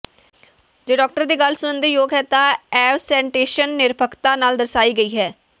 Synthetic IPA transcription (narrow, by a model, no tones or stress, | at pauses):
d͡ʒeːɖɔːk̚ʈəɾd̪iːɡəlsʊənd̪iːjoːɡɦɛːt̪ãːɛːɾsɛ̃ːɳʈeːʃənːɪɾbəkt̪aːnaːld̪əɾsaːiːɡəiːɦɛː